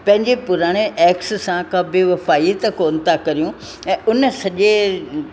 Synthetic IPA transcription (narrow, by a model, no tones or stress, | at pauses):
pɐ̃ɦɪ̃ɲd͡ʑepʊɾaːɽ̃eʔɛːkssãkɐbʱeʋɐfaːit̪ɐkoːnɪ̆t̪ʰakɐɾijũ | ɛ̃ːʔʊnəsɐʄe